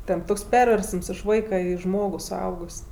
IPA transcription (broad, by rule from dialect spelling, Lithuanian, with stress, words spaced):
tʲɛn ˈtoːks ˈpʲɛrʲʋʲɛrsəms ɪʃ ˈʋɐɪkɐ ˈiː ˈʒmoːɡʊ sʊˈɐʊɡʊsʲ